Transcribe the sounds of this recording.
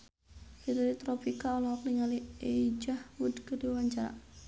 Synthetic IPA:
kit̪uɾit̪ɾopikaɔlɔhɔkliŋalied͡ʒahwud̪kədiwaɲt͡ʃaɾa̰

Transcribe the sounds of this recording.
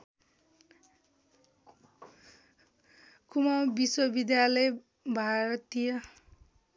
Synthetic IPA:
kumawbiswʌbid̪jalʌj | bʱaɾʌt̪ijʌ

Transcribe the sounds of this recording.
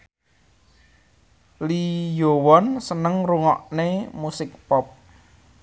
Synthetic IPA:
lijowɔnsənəŋruŋɔʔnemusɪk̚pɔp̚

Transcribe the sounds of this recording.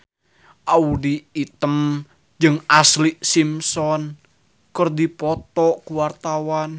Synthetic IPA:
ʔaudiːt̪əm | d͡ʒɨŋasliʔsimsɔn | kərd̪ipɔt̪ɔʔkuwart̪awan

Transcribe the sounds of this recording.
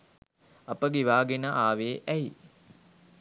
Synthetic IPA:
apəɡeʋaːɡenəʔaːʋeːʔɛi

